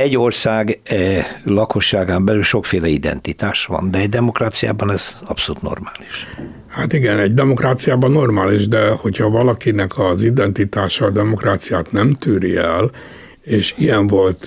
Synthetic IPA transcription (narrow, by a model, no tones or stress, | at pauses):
ɛɟːo̞rsaːɡ | lɒko̞ʃːaːɡaːmbɛlylʃo̞kfeːlɛid̪ɛ̰nt̪it̪aːʃʋɒ̰nd̪ɛɛɟd̪ɛmo̞kraːt̪sija̰ːbɒnɛz̥ɒpsolut̪no̞̰rmaːliʃ | hat̪iɡɛnɛɟd̪ɛmo̞kraːt̪sijaːbɒnːo̞rmaːliʒd̪ɛho̞chɒvɒlɒkinɛkʰɒzid̪ɛnt̪it̪aːʃɒːd̪ɛmokraːt̪sijaːt̪nɛmt̪yːɾiɛl | eːʃijɛɱvo̞lt̪